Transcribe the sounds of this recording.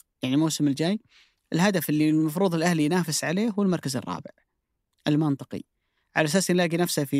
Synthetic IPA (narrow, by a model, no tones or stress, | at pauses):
jaʕnimoːsɪmɪld͡ʒaːj | ʔɪlɦad̪afɪlːilmɑfɾuːðˤɪlʔahlijnaːfɪsʕaleːɦuwɪlmɑɾˤkazɨ̰rˤːɑ̰ːbɪ̰ʕ | ʔɪlmɪnt̪ˤɨ̥qḭ | ʕa̰laʔasaːsnlaːɡinafsafi